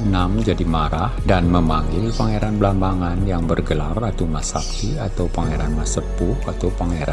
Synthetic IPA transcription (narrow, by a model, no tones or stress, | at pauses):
namd͡ʒadimaɾahdanməmaŋɡɪlpaŋeɾanbəlambaŋanjaŋbərɡəlarat̪umasak̚t̪iat̪awpaŋeɾanmasəpʊhat̪awpaŋeɾan